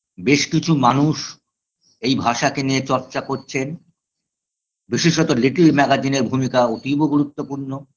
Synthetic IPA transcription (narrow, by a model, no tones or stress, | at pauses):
beʃkit͡ɕʰumanuʃ | ejbʱaʃakeniet͡ɕɔɾt͡ɕakoɾt͡ɕʰen | biʃiʃot̪oliʈiɾmɛɡad͡ʑineɾbʱumikaot̪iboɡuɾut̪ːopuɾno